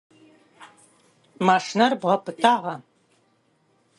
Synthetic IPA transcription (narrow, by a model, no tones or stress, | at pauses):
maːʂnɐrbʁɐpʰɨtʰaːʁɐ